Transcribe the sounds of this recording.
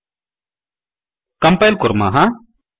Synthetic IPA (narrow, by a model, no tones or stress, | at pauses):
kɐmpajlkʊɾma̰ɦã